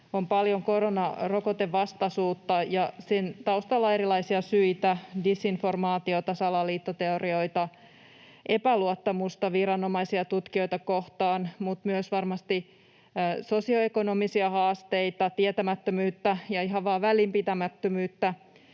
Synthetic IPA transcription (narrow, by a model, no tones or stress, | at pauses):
ompɑljoŋko̞ɾonɑrokot̪eʋʋɑst̪ɑsuːt̪ːɑjɑsent̪ɑust̪ɑlːɑeɾilɑisiɑsyit̪ædisːinfo̞rmɑːt̪io̞t̪ɑsɑlɑliːt̪ːot̪e̞orio̞jt̪ɑ | ʔepæluot̪ːɑmust̪ɑʋiɾɑnomɑisiɑt̪ut̪kio̞jt̪ɑko̞ht̪ɑːnmut̪myøsʋɑrmɑst̪i | so̞sio̞eko̞no̞misiɑhɑːst̪eit̪ɑt̪iet̪æmæt̪ːømyːt̪ːæjɑiɦɑʋɑːʋælimpit̪æmæt̪ːømyːt̪ːæ